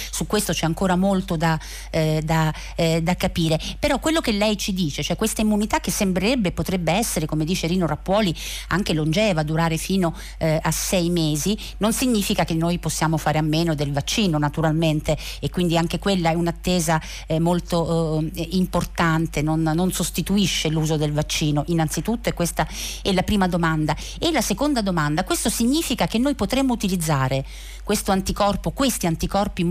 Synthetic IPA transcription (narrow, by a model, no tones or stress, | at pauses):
sukːwest̪ot͡ʃɛaŋkoːɾamolt̪od̪a | d̪a | d̪akːapiːɾepeɾɔkːwelːokelːɛjt͡ʃid̪iːt͡ʃet͡ʃoɛkːwest̪aimːunit̪ak̟ːesːembɾeɾɛbːepːot̪ɾɛbːeɛsːeɾekomed̪iːt͡ʃeɾiːnoɾapːwɔːli | aŋk̟elond͡ʒɛːvad̪uɾaːɾefiːno | asːɛjmeːzi | nonsiɲːiːfikak̟enːoːjposːjaːmofaːɾeamːeːnod̪elvat͡ʃːiːnonat̪uɾalment̪eː | kwind̪iaŋk̟ekwelːaɛunat̪ːeːza | ɛmolt̪o | import̪ant̪enonːonsost̪it̪uiʃːeluːzod̪elvat͡ʃːiːnoʔinːant̪sit̪ut̪ːoɛkːwest̪aɛlːapɾiːmad̪omand̪a | elːasekond̪ad̪omand̪akwest̪osiɲːiːfikak̟enːoːjpot̪ɾemːout̪ilid̪zːaːɾe | kwest̪oant̪ikɔrpokwest̪iant̪ikɔrpi